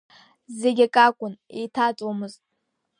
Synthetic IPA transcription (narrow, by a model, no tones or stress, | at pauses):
zeɡʲakʼakʷʼʊnḛjtʰat͡sʼwamɨztʼ